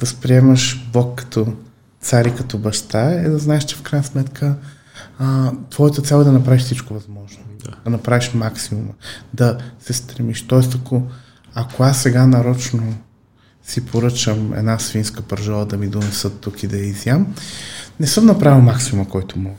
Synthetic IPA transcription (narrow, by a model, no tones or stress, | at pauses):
d̪ɐspɾiɛmɐʃblˠɔkːɐ̥t̪ʰɔ | t̪saɾikɐt̪ɔbɐʃt̪aɛd̪ɐznaɛʃt͡ʃɛfkɾajnəsmɛt̪kʰə | t̪vɔɛt̪ɐt̪sʲalˠɛd̪ɐnɐpɾaviʃfsit͡ʃkovɐzmɔʒnod̪d̪ɐnɐpɾaviʃmaksimumə̰d̪ɐsɛst̪ɾɛmiʃt̪ɔɛs̬t̪akʰo | ɐkoasːɛɡanɐɾɔt͡ʃno | sipʰoɾɤt͡ʃəmɛ̰d̪nasfinskəpɐɾʒɔlˠɐd̪ɐmid̪onɛsɤt̪ːukid̪ɐjɐizjam | nɛsɤmnɐpɾavilˠmaksimumɐkɔjt̪ʊmɔ